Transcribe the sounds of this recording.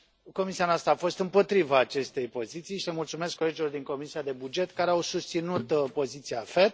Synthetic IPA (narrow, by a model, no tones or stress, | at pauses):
ko̞misianoast̪ɾəafo̞st̪ɨmpo̞t̪ɾivaːt͡ʃe̞st̪e̞jpo̞zit̪sijʃilemult̪sume̞skːo̞le̞d͡ʒilo̞rd̪iŋko̞misiad̪e̞bud͡ʒe̞t̪kaɾeawsust̪sinut̪po̞zit̪sijafet̪